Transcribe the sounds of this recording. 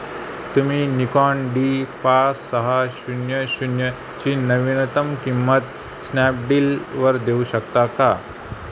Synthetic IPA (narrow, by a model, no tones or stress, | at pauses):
t̪um̤iːnikɔɳɖipasəɦaɕunjəɕunjə | t͡ɕiːnɐʋinət̪əmkimːət̪ | snap̚ɖiːlʋəɾd̪euɕəkt̪aka